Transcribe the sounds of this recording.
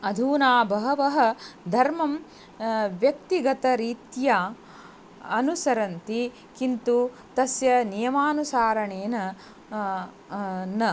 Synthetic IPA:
ɐd̪ʱuːnaːbɐɦɐʋɐɦɐ̆d̪ʱɐɾmɐm | ʋjɐk̚t̪iɡɐt̪ɐɾiːt̪ja | ɐnusɐɾɐnt̪i | kint̪u | t̪ɐsjɐnijɐmaːnusaːɾɐɳeːnɐ | nɐ

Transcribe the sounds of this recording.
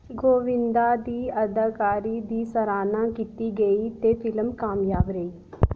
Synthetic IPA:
ɡoːʋɪ̃nd̪aːd̪iːəd̪əkaːɾiːd̪iːsəɾaːnãːkiːt̪iːɡəiːt̪eːpʰɪlmkaːmjaːbɾəiː

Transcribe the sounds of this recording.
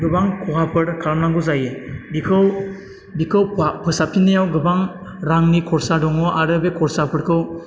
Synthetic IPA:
ɡɯbaŋkʰɔɦʰapʰɯɾkʰaɾmnaŋɡɯzajebikʰɯw | bikʰɯwpʰɯsapʰinijawɡɯbaŋ | ɾaŋnikʰɔɾsadɔŋɔʔaɾɯbekʰɔɾsapʰɯɾkʰɯw

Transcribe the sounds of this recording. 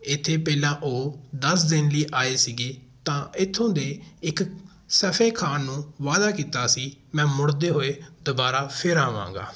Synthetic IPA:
ɪt̪ʰːeːpɛːlãːʔoːd̪əs̬d̪ɪnliːʔaːeːsiːɡeːt̪ãːɪt̪ʰːõːd̪eːɪk | səpʰẽːkʰaːnũːʋaːd̪aːkiːt̪aːsiːmɛ̃ːmʊɽd̪eːɦoːeːd̪ʊbaːɾaːpʰɪɾaːʋã̰ːŋɡa̰ː

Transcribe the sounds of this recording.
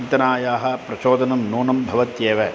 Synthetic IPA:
nt̪ɐnaːjaːɦɐ̆pɾɐʃoːd̪ɐnɐmnuːnɐmbʱɐʋɐt̪jeːʋɐ

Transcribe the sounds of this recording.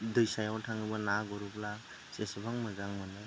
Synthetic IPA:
dɯjsajawtʰaŋɯbanaɡɔɾupla | sesɯbaŋmɯzaŋmɯnɯ

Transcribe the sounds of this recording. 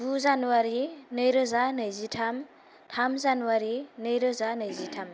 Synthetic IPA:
buzanuwaɾinɯjɾəzanɯjzitʰam | tʰamzanuwaɾinɯjɾəzanɯjzitʰam

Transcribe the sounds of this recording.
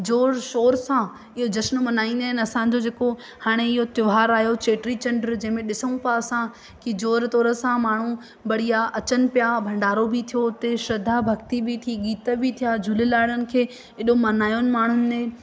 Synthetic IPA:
d͡ʑoːɾʃoːɾsã | ɪɦod͡ʑɐsn̆mɐnaːĩnd̪aːɦɪnɪɐsãd͡ʑod͡ʑeːko | haːɽ̃eɪɦot̪ʊʋɦaːɾaːɦijot͡ɕeːʈɾit͡ɕɐ̃ɳɖəɾd͡ʑɐ̃ɦɪ̃mẽɗɪsəɽ̃ũpasã | kid͡ʑoːɾt̪ɔːɾəsãmaːɳ̤ũ | bɐɽ̤ijaʔɐt͡ɕənɪ̆pijabʱɐ̃ɳɖaːɾobʱɪt̪ʰijot̪eʃɾɐd̪ʱabʱɐkt̪ibʱit̪ʰiːɡiːt̪əbʱit̪ʰijad͡ʑʱʊlɪlaːɪɽənɪ̆kʰeː | ɪɗomɐnaːjʊnɪ̆maːɳ̤ʊnɪ̆ẽ

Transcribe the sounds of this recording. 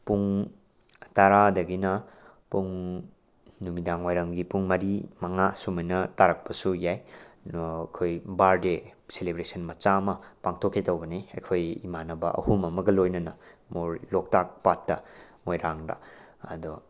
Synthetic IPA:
puŋ | taɾadɐɡinɐ | puŋ | numidaŋwajɾɐŋɡipuŋmɐɾimɐŋasumɐjnɐtaɾɐk̚pɐsujaj | kʰojbaɾdeselebɾesɐnmɐt͡ʃamɐpaŋtʰokʰːitɐwbɐniḛkʰojḭmanɐbɐ̰ʔɐ̰humɐmɐɡɐlojnɐnɐmoɾlok̚tak̚patːɐmojɾaŋdɐ̰ | ɐ̰du

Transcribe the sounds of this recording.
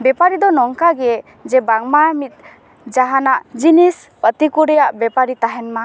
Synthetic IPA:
bɛpaɾid̪ɔnɔŋkaɡɛ | d͡ʒɛbaŋmamit̪̚ | d͡ʒaɦanaʔd͡ʒinis | pət̪ikuɾɛjaʔbɛpaɾit̪aɦɛnma

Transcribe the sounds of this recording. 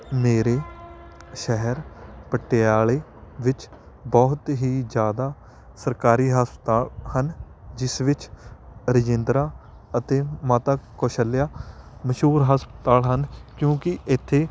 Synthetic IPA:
meːɾeː | ʃɛɦəɾpəʈːeːaːɭeːʋɪt͡ʃ | bɔːt̪ɦiːd͡ʒjaːd̪aː | səɾkaːɾiːɦəspət̪aːhən | d͡ʒɪsʋɪt͡ʃɾɪd͡ʒɪ̃nd̪ɾaː | ət̪eːmaːt̪aːkoːʃəlːjaːməʃuːɾɦəspət̪aːlɦənkjõːkɪʔɪt̪ʰːeː

